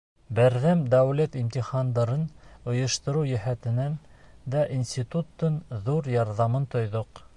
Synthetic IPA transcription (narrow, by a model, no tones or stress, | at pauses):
bæɾðæmd̪æwlæt̪imt̪iχɑnd̪ɑɾɤnŏjɤ̆ʃt̪ɤ̆ɾujæɦæt̪ɘ̆nænd̪æʔinsʲt̪ʲit̪ut̪ːɤnðuɾjɑɾðɑmɤnt̪ŏjðoq